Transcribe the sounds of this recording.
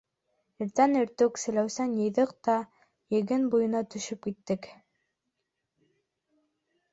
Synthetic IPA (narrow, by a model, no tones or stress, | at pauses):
ɘ̆ɾt̪ænɘ̆ɾt̪ɵksɘ̆læwsænjɤ̆jðɤq̚t̪ɑ | jɘ̆ɡɘnbujɤ̆nɑt̪ɵ̆ʃɵp̚kit̪ːɘk